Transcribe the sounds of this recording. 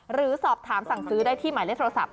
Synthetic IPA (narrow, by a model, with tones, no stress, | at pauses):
ɾɯː˩˦sɔː˨˩p̚t̪ʰaː˩˦msa˨˩ŋsɯː˦˥daː˥˩jt̪ʰiː˥˩maː˨˦le˦˥t̪ʰɾoː˧sa̰˨˩p̚